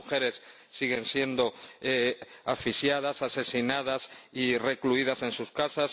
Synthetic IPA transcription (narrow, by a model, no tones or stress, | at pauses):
uxe̞ɾe̞sː | iɣe̞nsje̞nd̪oeafisjað̞asase̞sinað̞asire̞kluiðase̞nsuskasas